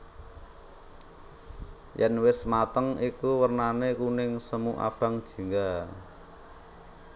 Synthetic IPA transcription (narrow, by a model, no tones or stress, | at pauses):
jɛnwɪsmat̪əŋikuwərnanekunɪŋsəmuʔa̰b̥a̤ŋd̥ʒ̥i̤ŋɡa